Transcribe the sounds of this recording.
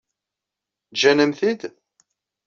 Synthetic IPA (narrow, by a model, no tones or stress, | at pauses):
d͡ʒænəmθid̪